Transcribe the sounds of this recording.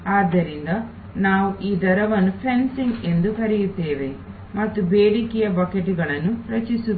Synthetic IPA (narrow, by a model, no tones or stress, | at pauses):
aːd̪ːɐɾind̪ɐ | naːʋuʔiːd̪ɐɾɐʋɐnːupʰensiŋɡe̞nd̪ukɐɾijut̪ːeːʋe̞ | mɐt̪ːubeːɽikijɐbɐkeʈiɡɐɭɐnːuɾɐt͡ʃisu